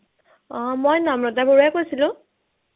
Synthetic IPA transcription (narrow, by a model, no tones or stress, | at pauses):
ɔ̃mojnamɹɔtaboɹuakojsilʊ̃